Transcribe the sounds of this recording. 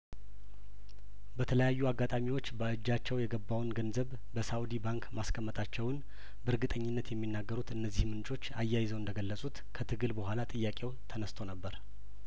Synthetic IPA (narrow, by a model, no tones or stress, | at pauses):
bət̪ʰələjajːuaɡːat̪ʼamiwo̞t͡ʃːbəɨd͡ʒːat͡ʃːɛwjɛɡəbːawnɡənzəβ | bəsaʔud̪ibaŋkmaskʰəmːət̪ʰʼat͡ʃːɛwɨn | bɨɾɡɨt̪ʼəɲːɪnːət̪jɛmːinːaɡːəɾut̪ɨnːəzːihmɨnt͡ʃʼo̞t͡ʃːajːajɪzəwɨnd̪əɡəlːəsʼut̪kʰət̪ʰɨɡɨlbəhʷalat̪ʼɨjːakʼewt̪ʰənəst̪ʰo̞nəbːəɾ